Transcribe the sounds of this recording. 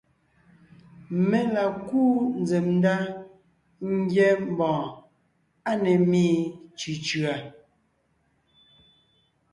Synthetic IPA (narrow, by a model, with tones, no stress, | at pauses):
me˨la˨kuː˦n̩˦d͡ze˨mn˦da˦ | ŋ̩˦ɡjɛ˦m̩˨bɔ̃ː˨ | a˦nɛ˨miː˦t͡ʃʉ˨t͡ʃɰa˨